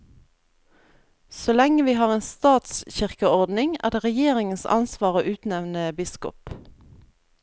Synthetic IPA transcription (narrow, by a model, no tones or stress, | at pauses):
solɛŋəʋiːhɑːʁeːnst̪ɑːt̪sçɪʁkəɔʁd̪nɪŋæ̰ːʁd̪eːʁɛjeːʁɪŋənsɑ̰nsʋɑːʁo̰ːʔʉːt̪nɛʋnəbɪskʊ̰p